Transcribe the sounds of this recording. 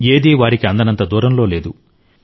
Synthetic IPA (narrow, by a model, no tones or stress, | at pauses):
eːd̪iːʋaːɾikiɐnd̪ɐnɐnt̪ɐd̪uːɾɐmlo̞ːle̞ːd̪u